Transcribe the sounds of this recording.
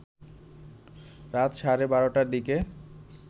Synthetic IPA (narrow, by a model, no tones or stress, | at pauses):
ɾat̪ʃaɾebaɾoʈaɾd̪ike